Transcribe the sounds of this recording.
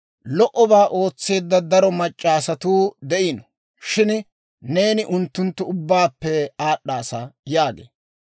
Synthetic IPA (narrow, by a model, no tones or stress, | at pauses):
lɔʔɔbaːʔo̞ːt͡sːe̞ːd̪ːɐd̪ɐɾɔmɐt͡ʃʼːaːsɐt̪uːd̪ɛʔɪnɔ | ʃɪn | ne̞ːnɪʔʊnt̪ːʊnt̪ːʊʊbːaːpːɛaːɗːaːsɐjaːɡḛː